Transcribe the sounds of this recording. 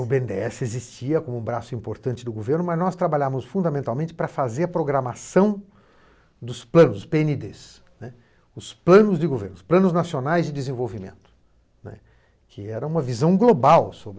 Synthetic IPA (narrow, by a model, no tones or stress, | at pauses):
ʊbeẽnd̪ḛɛsɪezist͡ʃiɐkõmʊũbɾasʊĩpoɾt̪ɐ̃nt͡ʃɪd̪ʊɡoveɾnʊmɐznɔst̪ɾabaʎamʊsfũnd̪amẽnt̪awmẽnt͡ʃɪpɾɐfazeɾɐpɾoɡɾɐmasɐ̃w̃ | d̪ʊsplɐ̃nʊsspeenid̪es | nɛ | ʊsplɐ̃nʊzd͡ʒɪɡoveɾnʊsplɐ̃nʊznasionajzd͡ʒɪd̪ɪzẽvowvimḛ̃nt̪ʊ̥ | nɛ̰ | kʰɪɛɾɐũmɐvizɐ̃w̃ɡlobawsobɾ